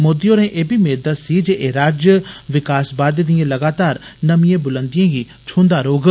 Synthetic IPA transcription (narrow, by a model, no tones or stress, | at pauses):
moːd̪ijõːɾẽːʔeːbʱimeːɾd̪ət̪sid͡ʒeːʔeːɾaːd͡ʒjəʋɪkaːsbaːd̪d̪ɪjãːləɡaːt̪aːɾnəmijẽːbʊlə̃nd̪ɪjãːɡiː | t͡ʃʰũːnd̪aːɾoːɡ